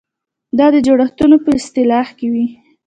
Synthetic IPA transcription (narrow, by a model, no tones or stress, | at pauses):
d̪ɑd̪əd͡ʒoɽaxt̪unopəɪst̪ɪlɑhkewi